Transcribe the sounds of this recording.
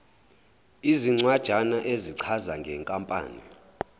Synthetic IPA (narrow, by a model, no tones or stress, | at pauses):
iziŋ͡ǀwad̥ʒ̥ʱanaʔeziǀʰazaŋɡʱɛŋkʼampʼa̰ːnḭ